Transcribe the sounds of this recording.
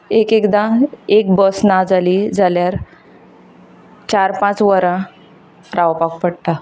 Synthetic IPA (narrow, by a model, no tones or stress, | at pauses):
ekekd̪ãek̚bəsnad͡zaliːd͡zʱaljaɾ | t͡ɕaɾpãt͡sʋəɾã | ɾaʋpak̚pəɽt̪a